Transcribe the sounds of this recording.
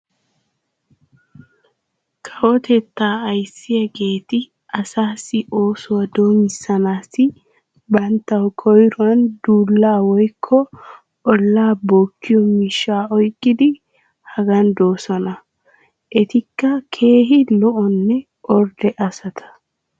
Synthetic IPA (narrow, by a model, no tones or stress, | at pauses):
kʰɐwɔt̪ɛt̪ːaːɐjsːɪjɐɡe̞ːt̪ɪ | ɐsaːsːɪʔo̞ːsʊwɐd̪o̞ːmɪsɐnaːsɪ | bɐnt̪ːɐwkʰɔjɾʊwɐnd̪uːlːaːwɔjkʰːɔ | ɔlːaːboːkːɪjɔmiʃːaːɔjkʼːɪd̪ɪ | hɐɡɐnd̪o̞ːsɔnɐ | ʔɛt̪ɪkːɐkʰe̞ːɦɪlɔʔɔnːɛ | ʔɔɾd̪ɛʔɐsɐt̪ʰɐ̥